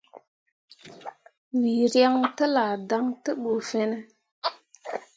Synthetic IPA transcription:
wi˨ɾja˦ŋtə˦la˨da˦ŋtə˦ɓo˨fɛ˦nɛ˦

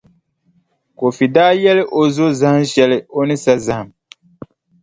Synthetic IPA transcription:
ko˨fi˨daː˦jɛ˦lɪ˦ʔo˨zo˦za˦hʃɛ˨lɪ˨o˦nɪ˦sa˦za˨hm

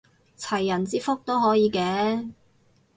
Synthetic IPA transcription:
t͡sʰɐ˨˩jːɐ˨˩nt͡siː˥fʊ˥k̚t̪o˥wɦɔː˨˥jiː˨˧kɛː˧˥

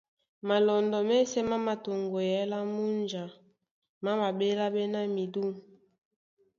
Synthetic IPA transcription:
ma˨lɔ˨ndɔ˨mɛ˦sɛ˦ma˦ma˨to˨ŋɡo˨jɛ˨˦la˦mu˦nd͡ʒa˨ | ma˦ma˨be˦la˦be˦na˦mi˨du˦m

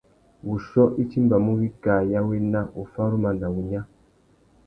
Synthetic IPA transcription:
wu˨ʃɔ˦ʔi˦t͡ʃi˦mba˨mu˦ɣi˦ka˨ja˦we˦na˦ʔu˨fa˦ɾu˦ma˨na˨wu˨ɲa˦

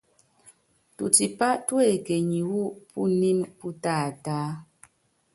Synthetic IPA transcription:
tṵ˨ti˨pa˦ʔtwe˦˨ke˨ɲi˨wu˦ʔpʰu˦ni˦npu˦taː˦˨taː˦

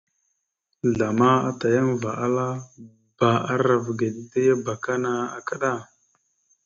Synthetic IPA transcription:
ɮa˨ma˦a˦ta˨ja˦nva˨ʔa˦la˦ | b̥a˨a˦ɾa˨vɡe˨ɗi˦ta˦ja˦ba˨ka˦na˨a˨ka˦ɗa˦˨

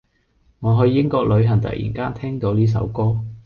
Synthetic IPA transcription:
ŋɔː˨˧ɦɵ˧ɥːɪ˥ŋkɔː˧k̚lɵ˨˧ɥɦɐ˨˩ŋt̪ɐ̰˨k̚jʔḭ˨˩nkaː˥nt̪ʰɛː˥ŋt̪o˨˧wliː˥s̬ɐ̰˨˥wkɔː˥

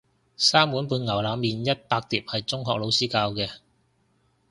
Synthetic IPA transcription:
saː˥mwuː˨˥npuː˧nŋɐ˨˩wlaː˨˧mːiː˨njɐ˥t̚paː˧k̚t̪iː˨˩p̚hɐ˨jt͡sʊ˥ŋɦɔː˨k̚lo˨˧wsiː˥kaː˧wkɛː˧

